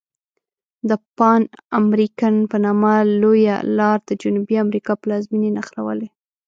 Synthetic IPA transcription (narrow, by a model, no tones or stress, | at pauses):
d̪əpɑnamɾikanpənɑmaloja̰lɑɾd̪əd͡ʒʊnubiamɾikɑplɑzminenaxɾawə̰le